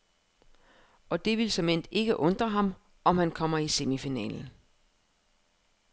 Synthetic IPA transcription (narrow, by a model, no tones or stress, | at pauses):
ɒ̽d̥e̝ʋilsɒ̽men̰d̥e̝ɡ̥əʔɔ̽nd̥ʁɐɦɑ̈m | ɒ̽mhænkʰɒ̽m̰ɐise̝mifinɛ̰ːln̩